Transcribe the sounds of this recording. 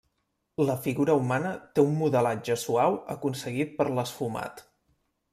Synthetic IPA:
ləfiɣuɾəumanət̪eumːuðəlad͡ʒəsuawəkunsəɣit̪̚pəɾləsfuma̰t̪

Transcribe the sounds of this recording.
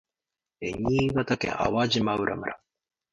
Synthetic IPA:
eɲiːɡat̪akḛ̃ʔa̰wad͡ʑimaɯɾʔa̰mɯ̟ɾʔa

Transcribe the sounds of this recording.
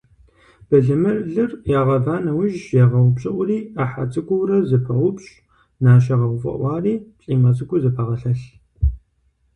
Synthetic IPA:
b̥ɐɮɨmɨrɮɨrjaːʁɐvaːnɐwʊʒjaʁɐwʷʊpɕʼɪʔʷʊriːaħa̰t͡sʼɨɡʷʊwrɐzɨpʰɐʁʷʊpɕʼ | naːɕ̬ɐʁɐʁʷʊfʼɐ̰ʔʷɑːriːɕʼiːmɐt͡sʼɨɡʷʊzɨpʰɐʁɐɬɐɬ

